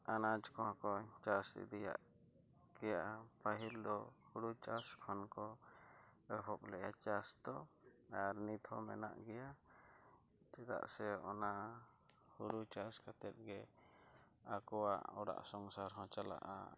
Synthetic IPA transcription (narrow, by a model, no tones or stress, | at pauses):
anad͡ʒkɔɦãkɔt͡ʃasḭd̪ija̰ʔ | ɡɛjaʔapaɦild̪ɔhuɽut͡ʃaskʰɔnkɔ | ɛɦɔp̚lɛjat͡ʃast̪ɔaɾnit̪ʰɔmɛ̰na̰ʔɡɛja | d͡ʒɛt̪a̰ʔsɛɔna | huɽut͡ʃaskat̪ɛt̪̚ɡɛ | akɔwaʔɔɽa̰ʔsɔŋsaɾɦɔ̃t͡ʃala̰ʔa̰